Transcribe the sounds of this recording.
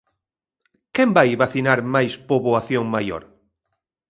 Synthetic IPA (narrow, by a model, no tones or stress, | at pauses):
kembajβaθinaɾmajspoβoaθjoŋmajo̰ɾ